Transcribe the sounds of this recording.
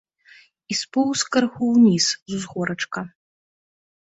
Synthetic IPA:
ispuwskɐrxuwnʲiszuzɣɔɾɐt͡ʂkɐ

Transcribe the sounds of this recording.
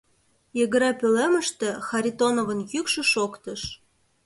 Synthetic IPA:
jəɣə̆ɾepølemə̆ʃt̪ĕxɑɾʲit̪onovənjykʃə̆ʃokt̪ɤ̆ʃ

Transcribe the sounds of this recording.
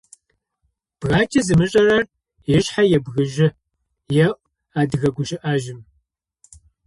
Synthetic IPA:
b̥ɣaːt͡ʃʼɐzɨmɨɕʼɐrɐr | jɛɕħajɛbɣɨʒɪ | jɛʔʷʼ | aːdɨɣɐɡʷʊʒɪʔaʒɪm

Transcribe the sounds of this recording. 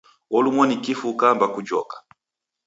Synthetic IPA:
wɔlumwɔnikifukambakud͡ʒɔ̰kḁ

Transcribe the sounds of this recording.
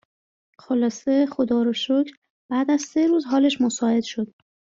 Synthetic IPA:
xolɒːse̞xod̪ɒːɾoʃocʰɾ | b̥æːd̪æzse̞ɾuːzɦɒːle̞ʃmosɒːe̞d̪̥ʃo̞d̪̥

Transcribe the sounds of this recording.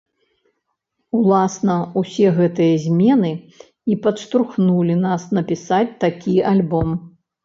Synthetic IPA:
ulˠasnɐusʲɛɣɛt̪ɨjɐzʲmʲɛnɨ | ipɐt̪ʂt̪ɾuxnulʲinasnɐpʲisat͡sʲt̪akʲialʲbɔm

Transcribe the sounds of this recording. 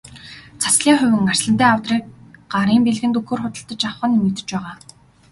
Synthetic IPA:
t͡sʰḁsɮiːŋχʊ̟wʲɘ̆ŋar̥sɮə̆nt̪eːawt̪riːk̚ɢaɾiːmpeɮɣɘ̆nt̪ɵxoːrχʊt̪ə̆ɬt̪ə̆t͡ɕawχə̆nimɵ̆t̪ɘ̆t͡ɕpæːʁaː

